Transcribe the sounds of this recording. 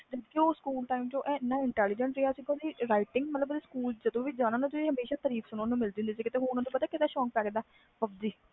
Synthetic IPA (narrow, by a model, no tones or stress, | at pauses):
d̪ekeoːskuːlʈaːimd͡ʒõːʔɛ̃ːɪnːãːɪɳʈɛːlɪd͡ʒəɳʈɾeaːsiːɡõːd̪iːɾaːɪʈɪŋɡmət̪ləbeːskuːld͡ʒəd̪õːʋiːd͡ʒãːnãːnãt̪ʊiːɦəmeːʃaːt̪əɾiːfʰsʊnõːnũːmɪld̪iːʊ̃nd̪iːs̬iːkɪt̪eːɦoɾnãːt̪õːpət̪aːkɪt̪aːʃɔːŋk̚pɛːɡd̪aː | pəb̚d͡ʒiː